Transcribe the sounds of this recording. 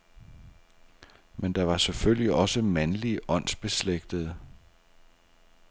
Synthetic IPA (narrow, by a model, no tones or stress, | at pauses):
mend̥ɑ̈ʋɑ̈seføl̰jiʔɒ̽səmænliʔɒ̽n̰sb̥e̝sleɡ̥d̥əð̩ˠ